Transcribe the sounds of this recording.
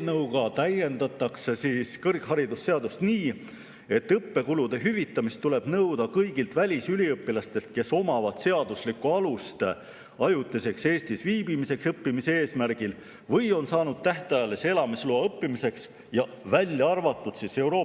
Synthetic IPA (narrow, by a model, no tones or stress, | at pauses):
nɤwɡɑt̪æje̞nd̪ɑt̪ːˑɑksesiːskɤrkɦɑɾid̪usːe̞ɑd̪ust̪niː | e̞t̪ːɤpːe̞kulud̪̥e̞ɦyvit̪ːˑɑmist̪ːule̞b̥nɤwd̪̥ɑkɤjɡ̥ilt̪vælʲisylʲiɤpːˑilɑst̪e̞lt̪̚ke̞so̞mɑvɑd̪̥se̞ɑd̪̥uslikuɑlust̪ | ɑjut̪ːˑise̞kse̞ːst̪isviːbimise̞ksɤpːimise̞e̞ːsmærɡ̥il | vɤjo̞nsɑːnud̪̥̚t̪æht̪ɑjɑlese̞lɑmisluɑɤpːimise̞ks | jɑ | vælʲjɑɑrvɑt̪ːˑud̪̥sise̞wɾo̞ː